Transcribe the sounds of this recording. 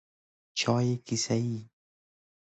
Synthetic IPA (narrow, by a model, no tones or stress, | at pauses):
t͡ʃʰɑːjekisaiː